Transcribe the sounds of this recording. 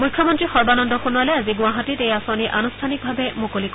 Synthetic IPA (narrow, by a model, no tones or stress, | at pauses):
mukʰjɔmɔntɹixɔɹbanɔndɔkunualɛaziɡʊaɦatitejasaniʔanustʰanik̚bʱabɛmukolik